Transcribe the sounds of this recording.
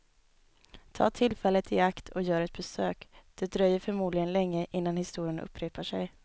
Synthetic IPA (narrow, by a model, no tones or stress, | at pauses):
t̪ʰɑ̰ːt̪ʰɪlfɛlːət̪ʰɪakt̪ʰɔ̰jœːɾɛt̪̚bɛsøːkd̪̥ɛd̪ɾœjːəɾfœɾmuːd̪lɪɡənlɛŋːəʔɪnːanhɪst̪uːɾɪənɵ̰pːɾeːpaʂɛj